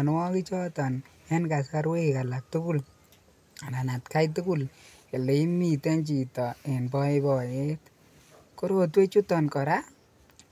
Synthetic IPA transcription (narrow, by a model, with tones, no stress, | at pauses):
n˦wɔ˦ki˦t͡ʃɔ˦tɔ˨n | ɛ˦nka˨ska˦ɾwe˦˨ka˨la˨k̚tu˦ku˦˨l | a˨na˨na˨tka˦jt̬u˦ku˦˨l | e˨le˨i˦mi˨te˦nt͡ʃi˨tɔ˨e˨nbɔ˦ɪ˦bɔ˨je˦t | kʊ˦ɾo˦t̬we˦t͡ʃu˦tɔ˨nkɔ˨ɾa˦